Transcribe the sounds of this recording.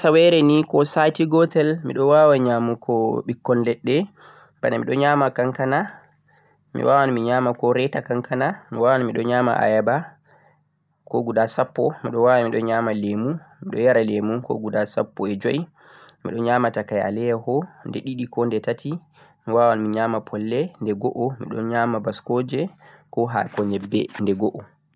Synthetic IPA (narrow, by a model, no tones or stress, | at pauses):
sawɛɾɛnikɔsajtiɡɔtɛlmḭɗɔwawaɲamukʰɔɓikːɔnlɛɗːɛ | banamiɗɔɲaːmakaŋkana | mḭwaːwanmiɲaːmakɔɾɛtakaŋkanamiwawanmiɗɔɲaːma̰ʔa̰jaba | kɔɡudasapːɔmiɗɔwawamiɗɔɲaːmalemumiɗɔ̰jaɾalemukɔ̰ɡudasa̰pːɔɛd͡ʒoj | mḭɗɔɲaːmatakaja̰lɛjahɔndɛɗiɗikɔndɛtatʰi | miwawanmiɲaːmapʰɔlːɛndɛɡɔʔɔmḭɗɔ̰nɲamabaskɔːd͡ʒɛkɔɦa̰kɔɲɛbːɛ̰ndɛɡɔʔɔ